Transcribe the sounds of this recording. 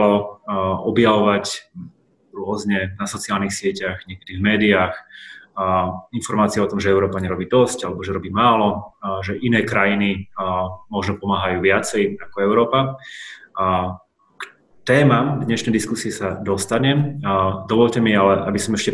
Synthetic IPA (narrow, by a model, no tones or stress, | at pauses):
lɔ | ɔbjaʋɔʋac | ɾʊɔzɲɛnasɔt͡siaːlnixsɪɛcaɣɲɪɛkɛd̪ivmɛːd̪iaːx | infɔɾmaːt͡siɛɔt̪ɔmʒɛɛʊɾɔːpaɲɛɾɔbiːd̪ɔscalɛbɔʒɛɾɔbiːmaːlɔʒɛʔinɛːkɾajini | mɔʒnɔpɔmaːɦajuːʋɪat͡sɛjakɔɛʊɾɔːpa | k | t̪ɛːmamd̪ɲɛʃnɛjd̪iskusiɛsad̪ɔst̪aɲɛd̪ɔʋɔʎcɛmialɛʔa̰bisɔmɛʃcɛ